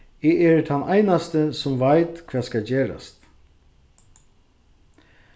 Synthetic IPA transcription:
ɛːɛɾt̪ʰanʔajnast̪əsʊmvajt̪kʰʋɛːskad͡ʒeːɾa̰st̪

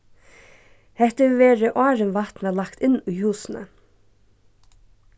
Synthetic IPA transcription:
hɛht̪əʋeːɾəʔɑːɾənʋat̪nəlakt̪ɪnːʊjhuːsnə̰

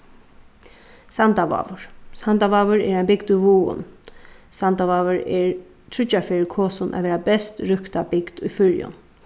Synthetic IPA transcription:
sant̪aʋa̰ːʋʊɹ̥sant̪aʋaːʋʊɹɛɾajmbɪɡd̪ʊjʋuːʊ̰nsant̪aʋaːʋʊɹɛɹ | t̪ʰɾʏt͡ʃːafɪːɾkʰɔːsʊnʔa̰ʋɛːɾabɛst̪ɹʏhkt̪abɪɡd̪ʊjfʏɾjʊ̰n

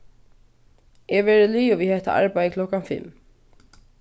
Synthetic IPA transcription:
ɛvɛːɾɪliːʊvihɛht̪a̰ʔa̰ɹpajkʰlɔhkanfɪ̰lm

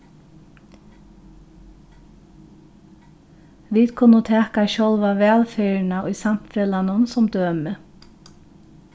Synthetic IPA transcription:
ʋiːd̪kʰʊnːʊt̪ʰɛːkaʃɔlʋaʋɛːlfeɹnaʔʊjsam̥t̪fɛlanʊnsʊmd̪øːmɪ

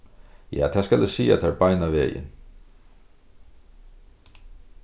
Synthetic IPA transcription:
ja̰ːt̪ʰaskalɪsiːa̰t̪ʰaɹbajnaʋeːjɪ̰n

